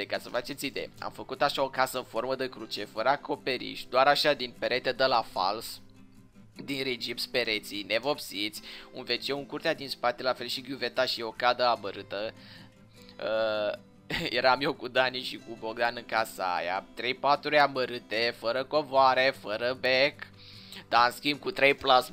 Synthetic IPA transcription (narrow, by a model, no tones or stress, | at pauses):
ekasəfat͡ʃe̞t̪sid̪e̞̰a̰mfəkut̪aʃao̞kasəɨnfo̞rməd̪ekɾut͡ʃe̞fəɾəakʰo̞pe̞ɾḭʃd̪oaɾaʃad̪inpeɾet̪ed̪əlafa̰ls | d̪inɾed͡ʒipspe̞ɾe̞t̪sine̞vo̞psit̪sʲṵnvet͡ʃeuŋkurt̪ead̪inspat̪e̞lafe̞lʃiɡjuve̞t̪aʃio̞kad̪əaməɾɨt̪ə | ə | je̞ɾamjewkud̪aniʃikubo̞ɡ̚d̪anɨŋkasəa̰ja̰t̪ɾe̞jpat̪ɾuleaməɾɨt̪e̞fəɾəko̞voaɾe̞fəɾəbek | d̪̥anskʲimb̚kut̪ɾe̞jplas